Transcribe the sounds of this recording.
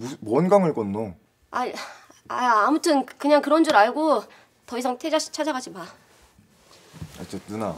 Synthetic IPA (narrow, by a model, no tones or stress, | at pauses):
mumʌnɡaŋɯɭk͈ʌnːo | a̰ | aamutʰɯnkɯɲaŋkɯɾʌnd͡ʑuɾaɭɡo | tʌis̬ʰaŋtʰed͡ʑaɕʰi̥t͡ɕʰad͡ʑaɡad͡ʑima | t͡ɕ͈et͈ɯna